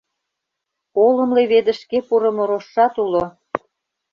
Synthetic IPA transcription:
olɤ̆mleβed̪ə̆ʃkepuɾə̆mŏɾoʃːɑt̪ulo

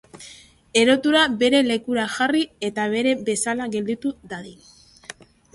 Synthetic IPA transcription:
e̞ɾo̞t̪uɾabe̞ɾe̞le̞kuɾaʝarie̞t̪aβ̞e̞ɾe̞be̞salaɣe̞ld̪it̪uðaði

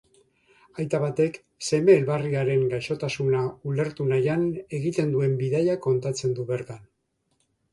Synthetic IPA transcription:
ajt̪aβat̪e̞k | se̞me̞ːlβariaɾe̞ŋɡajʃo̞t̪asunaule̞ɾt̪unajane̞ɣit̪e̞nd̪ue̞mbiðajako̞nt̪at͡se̞nd̪uβe̞ɾt̪an

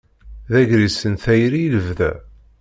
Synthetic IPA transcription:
ðæʝɾisənθæjɾiləvðæ̰

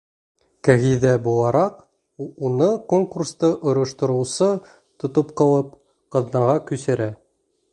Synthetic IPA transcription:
kæɣiðæbulˠɑɾɑq | unɤkoŋkurst̪ɤʔŏɾŏʃt̪ŏɾɤ̆wsɤ | t̪ŏt̪op̚qɑw̪ˠɤp | qɤ̆ðnɑʁɑkʉsɘ̆ɾæ

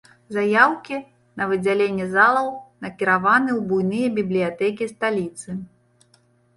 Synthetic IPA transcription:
zajawkʲi | nɐvɨd͡zʲalʲenʲːɛzalˠɐwnɐkʲiɾavanɨwbujnɨjɐbʲiblʲijat̪ɛk̬ʲist̪alʲit̪sɨ

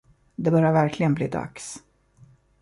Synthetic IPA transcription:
d̪ɛbœɾjaɾvæɾkʰlɪɡənbliːd̪a̰ks

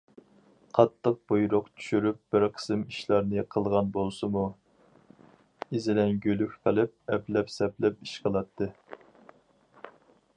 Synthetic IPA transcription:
qʰɑt̪ʰːəq̚b̥ojɾʊqt͡ʃʰy̥ʃyɾyp̚b̥ɪɾqʰə̥sɨmiʃlˠɑɾnɨqʰəlˠʁɑnbolˠsɨmu | izɪlɛnɡʲølykʲqʰəlˠɨp̚ɛplɛpsɛplɛp̚iʃqʰəlˠɑt̪ʰːɨ

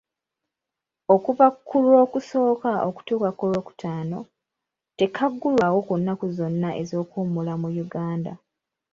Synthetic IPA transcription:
o̞kuβakʰːulwo̞ːkuso̞ːkaʔo̰ku̥tuːkakːulwo̞ːku̥tʰaːno̞̰ | te̞kʰaɡːulwawo̞kunːakuzo̞nːaʔḛzo̞ːkuːmulamujuɡaːnda

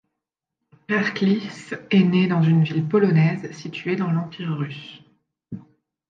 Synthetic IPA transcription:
pɛʁklisɛned̪ɑ̃zynvilpɔlɔnɛzsit̪ɥed̪ɑ̃lɑ̃piʁːys

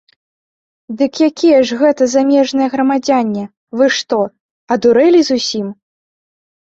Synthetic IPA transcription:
d̪ɨkjakʲijɛʐɣɛt̪ɐzamʲɛʐnɐjɛɣɾɐmad͡zʲanʲːɛ | vɨʂt̪ɔ | ɐd̪uɾɛlʲizusʲim

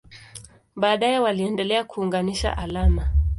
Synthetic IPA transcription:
ɓaːɗajɛwaliɛndɛlɛakuːŋɡaniʃa̰ʔalama

